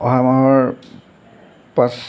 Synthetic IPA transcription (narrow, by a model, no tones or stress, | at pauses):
ɔɦamaɦɔɹ | pas